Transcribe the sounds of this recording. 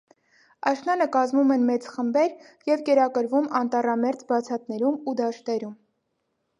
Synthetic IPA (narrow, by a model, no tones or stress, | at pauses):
ɑʃnɑnəkɑzmumɛnmɛt͡sχəmbɛɾ | jɛvkɛɾɑkəɾvumɑnt̪ɑrɑmɛɾt͡sbɑt͡sʰɑt̪nɛɾumud̪ɑʃt̪ɛɾum